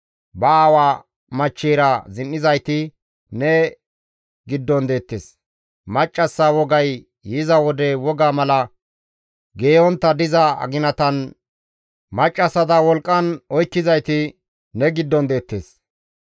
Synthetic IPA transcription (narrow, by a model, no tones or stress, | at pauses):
bɐaːwaː | mɐt͡ʃːeːɾɐzɪnːɪzɐjt̪ɪ | nɛ | ɡɪd̪ːɔnd̪e̞ːt̪ːeːs | mɐt͡ʃʼːɐsːɐwɔɡɐjː | ɪzɐwɔd̪ɛwɔɡaːmɐlɐ | ɡe̞ːɔnt̪ːɐd̪ɪzɐɐ̰ɡɪnɐt̪ɐn | mɐt͡ʃʼːɐsɐd̪ɐwɔlkʼːɐnɔjkːɪzɐjt̪ɪ | nɛɡɪd̪ːɔnd̪e̞ːt̪ːḛːs